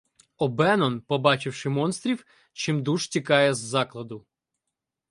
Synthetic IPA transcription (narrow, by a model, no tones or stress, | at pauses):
ɔbɛnɔnpɔbɑt͡ʃɪwʃɪmɔnst̪ɾʲiw | t͡ʃɪmd̪uʒtʲikɑjɛzːɑklˠɐd̪ʊ